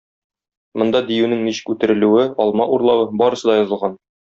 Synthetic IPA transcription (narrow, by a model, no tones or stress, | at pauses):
mŏnd̪ɑd̪ijʉnɘŋniɕɘ̥kʉt̪ɘ̆ɾɘ̆lʉɘɒlˠmɑʔuɾlˠɑwɤbɒɾɤ̆sɤd̪ɑjɒ̆zɤ̆lˠʁɑn